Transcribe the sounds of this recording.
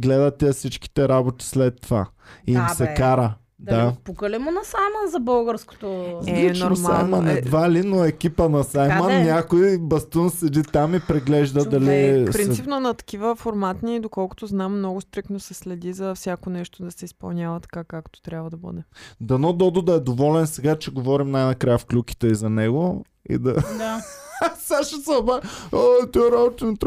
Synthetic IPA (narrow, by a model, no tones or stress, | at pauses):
ɡlɛd̪ət̪ɛɐsit͡ʃki̥t̪ɛɾabot̪i̥slɛt̪ːova̰ | iimsɛkkaɾə | d̪apukəlimonɐsajmənzɐbəlˠɡəɾsko̥t̪oɛlit͡ʃnoɾosa̰jmənɛd̪valinoɛkʲipənɐsajmənnʲakojbɐst̪unsɛd̪it̪amipɾɛɡlɛʒd̪əd̪ɐlipɾinipnonɐt̪ɐ̥kivəfoɾmat̪nid̪okɔlˠkʊ̥t̪oznamːnɔɡʊst̪ɾiknosɛslɛd̪izɐfsʲjakonɛʃt̪od̪ɐsɛispɐ̰lˠnʲjavɐt̪ɐ̥kakakt̪o̥t̪ɾʲjabvɐd̪ɐbə̰d̪ɛd̪ɐnɔd̪ɔd̪ʊd̪ɐɛd̪ovɔlɛnsɛɡat͡ʃɛɡovɔɾimnajnɐkɾajəfklʲuki̥t̪ɛizɐnɛɡo | ḭd̪ɐd̪asaʃɛsɐbaot̪ɔɾabot̪int̪